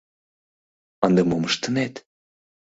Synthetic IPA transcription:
ənd̪emoməʃt̪ənet̪

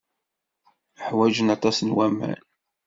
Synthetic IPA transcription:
əħwæd͡ʒənɑt̪ˤɑsnwæmæ̰n

